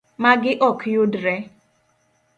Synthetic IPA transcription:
maɡɪʔɔkjʊdɾɛ

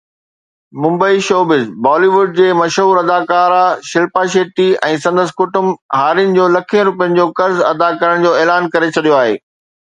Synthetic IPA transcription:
mʊ̃mbəiʃoːbɪzbɔːliʋʊɖ̚d͡ʑeːmɐʃɦuːɾɐd̪aːkaːɾaʃɪlpaʃeːʈiɛ̃ːsɐ̃nd̪əskʊʈʊmɦaːɾijənɪ̆d͡ʑoːlɐkʰijə̃ɾʊpijə̃nɪ̆d͡ʑoːkɐɾzɐ̰d̪akɐɾəɽ̃d͡ʑoːɛːlaːnkɐɾet͡ɕʰɐɗ̪ijoaːɦḛː

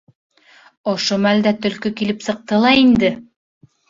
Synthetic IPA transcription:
ŏʃomæld̪æt̪ɵ̆lkɵkilɘpsɤ̆q̚t̪ɤlˠɑind̪ɘ

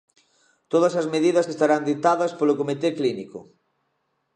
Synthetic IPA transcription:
t̪oð̞ɐsɐzmeðiðɐsest̪aɾand̪it̪aðɐspolokomit̪ekliniko̰

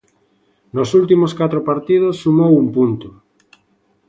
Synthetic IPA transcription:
nosult̪imoskat̪ɾopaɾt̪ið̞osːumowumpunt̪ʊ

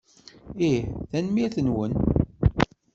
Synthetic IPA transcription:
iħθænmiɾθənwən

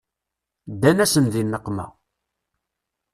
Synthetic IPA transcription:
d̪ːænæsənðinːəqːmæ̰

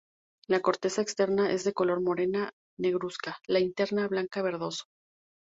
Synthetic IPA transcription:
lako̞ɾt̪e̞saekst̪e̞ɾnaʔe̞zðe̞ko̞lo̞ɾmo̞ɾe̞na | ne̞ɣɾuskalaint̪e̞ɾnaβlaŋkaβ̞e̞ɾðo̞so̥

